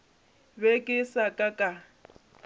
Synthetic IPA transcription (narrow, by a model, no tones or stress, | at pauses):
bekʼɪsakʼakʼa